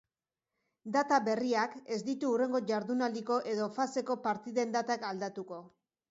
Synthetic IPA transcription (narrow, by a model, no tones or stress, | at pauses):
d̪at̪aβe̞riake̞zd̪it̪uːre̞ŋɡo̞ʝaɾðunaliko̞ʔe̞ðo̞fase̞ko̞paɾt̪iðe̞nd̪at̪akald̪at̪uko̞